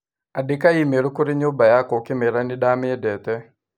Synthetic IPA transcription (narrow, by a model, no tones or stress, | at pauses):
adɪkaimeɾokoɾɪɲobajakɔkɪmeɾanɪɗamɪdɛt̪ɛ